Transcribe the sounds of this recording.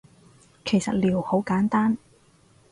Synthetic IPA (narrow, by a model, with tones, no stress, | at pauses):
kʰe˨˩jsɐ˨t̚liː˨˩who˨˥wkaː˨˥nt̪aː˥n